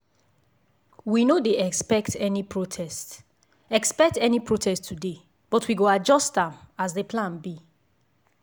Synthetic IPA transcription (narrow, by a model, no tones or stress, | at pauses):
winodeɛkspɛktʰɛnipʰɹotʰɛst | ɛkspɛk̚tɛnipʰɹotʰɛsttʰːude | b̥ɔtʰwiɡoad͡ʒɔstãmazðepʰlãnbi